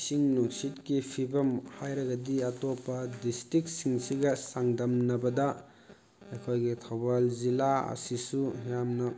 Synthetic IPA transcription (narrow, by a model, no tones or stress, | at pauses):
siŋnusitkipʰibɐmhajɾɐɡɐdiɐtopɐdistɾik̚siŋsiɡɐsaŋdɐmnɐbɐdɐ | ekʰojɡitʰawbalzilaɐ̰sisujamnɐ